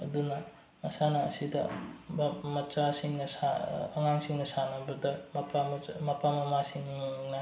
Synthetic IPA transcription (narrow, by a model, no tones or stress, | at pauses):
ɐd̪unɐ | ɐsanaːsidɐmmɐt͡ʃasiŋnɐsaɐŋaŋsiŋnɐsanabɐdɐmɐpammɐpʰamɐmasiŋimaŋŋnɐ